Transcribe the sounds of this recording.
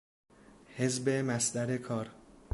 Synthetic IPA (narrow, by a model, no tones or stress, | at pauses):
hezbemæsd̪æɾekʰɒːɾ